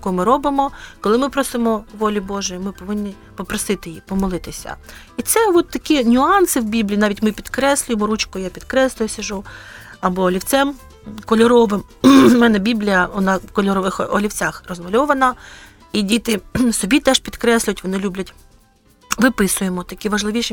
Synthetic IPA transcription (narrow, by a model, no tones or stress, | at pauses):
jɐkɔmɪɾɔbɪmɔkɔlˠɪmɪpɾɔsɪmɔʋɔlʲibɔʒɛjimɪpɔʋɪnʲːi | pɔpɾɔsɪt̪ɪjipɔmɔlˠɪt̪ɪsʲɐ̰ | it̪sɛʋɔt̪ːɐkʲinʲʊɑnsɪwbʲiblʲiːnɑʋʲitʲmɪpʲid̪kɾɛsʲlʲʊjemɔɾut͡ʃkɔjapʲid̪kɾɛslˠʊjʊsʲɐʒu | ɐbɔlʲiwt͡sʲɛm | kɔlʲɔɾɔʋɪm | mɛnɛbʲiblʲijɐʋɔnɑkɔlʲɔɾɔʋɪxɔlʲiwt͡sʲaxrɔzmɐlʲɔʋɐnɐ | idʲit̪ɪsɔbʲit̪ɛʃpʲid̪kɾɛsʲlʲʊjtʲʋɔnɪlʲubʲlʲɐtʲ | ʋɪpɪsʊjemɔt̪ɐkʲiʋɐʒlˠɪʋʲiʃ